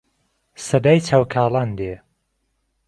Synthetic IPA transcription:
sɐd̪aːjt͡ʃʰaːwkʰaːlˠaːnd̪e

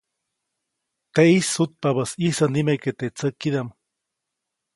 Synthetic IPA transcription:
t̪eisːut̪̚pabəsisənimeket̪et͡səkːiðam

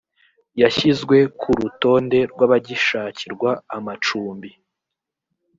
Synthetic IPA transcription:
jaçizɡwe̞kʰuɾuto̞ːnde̞ɾɡwaβaɟiʃaːciɾɡwaːmat͡ʃuːmbi

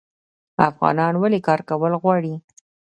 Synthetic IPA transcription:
afɣɑ̰nɑnwalekɑɾkawəlɣwɑɽi

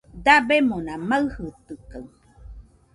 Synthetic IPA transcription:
d̪abemonãmaɨhɯt̪ɯkaw

